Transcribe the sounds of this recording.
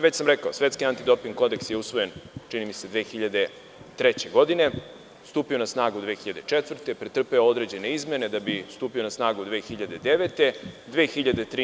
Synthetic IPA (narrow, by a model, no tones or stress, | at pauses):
ʋet͡ɕsamɾekaosʋe̞t̪skiant̪id̪o̞piŋko̞d̪e̞ksjeusʋo̞je̞nt͡ʂinimise̞d̪ʋeːxiʎad̪e̞ | t̪ɾe̞t͡ɕe̞ɡo̞d̪ine̞ | st̪uːpio̞nasnaːɡud̪ʋe̞ːxiʎad̪et͡ʂet̪ʋr̩t̪epɾet̪r̩peood̪ɾe̞d͡ʑe̞ne̞izme̞ne̞d̪abist̪uːpio̞nasnaːɡud̪ʋeːxiʎad̪e̞d̪e̞ʋet̪e̞d̪ʋeːxiʎad̪e̞t̪ɾi